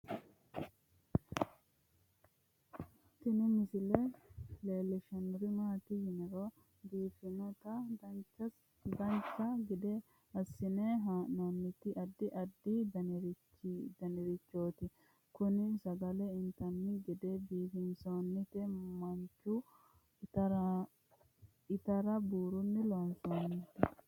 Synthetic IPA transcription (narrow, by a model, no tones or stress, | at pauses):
t̪ːɪnɪmɪsɪleleːlːɛʃɐnʊɾɪmaːt̪ɪhɪnɪɾoː | b̪iːfɪnɔt̪ɐɐ | ɡɐnt͡ʃːɐɡɪd̪ɛ | ɐsːɪneːɦaːnoːnːɪt̪ːɪʔɐd̪ːɪʔɐd̪ːɪd̪ɐnɾ | d̪ɐnɪɾɪt͡ʃːoːt̪ɪ | kʊnɪsɐɡɐlɛɪnt̪ɐnːɪɡɛd̪ɛbiːfɪnsoːnːɪt̪ɛmɐnt͡ʃːʊ | ɐ | ɪt̪ɐɾɐbuːɾʊnːɪloːnsonːɪt̪ːɪ